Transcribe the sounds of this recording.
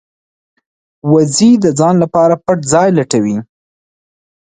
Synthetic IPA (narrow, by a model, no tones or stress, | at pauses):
wazid̪əd͡zɑnlapɑɾapaʈzɑjlaʈawi